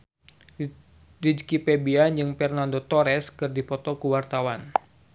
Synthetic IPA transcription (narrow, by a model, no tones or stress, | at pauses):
did͡ʒkipebiand͡ʒɨŋfɛrnandot̪ɔɾɛskɨrdipɔt̪ɔkuwart̪awan